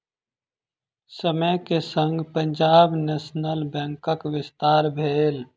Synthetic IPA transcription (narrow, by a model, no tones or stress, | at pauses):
səməjkesə̃ŋɡpə̃ɲd͡ʒaːbneːsnəlbɛ̃ːŋkəkʋɪst̪aːɾbʱeːl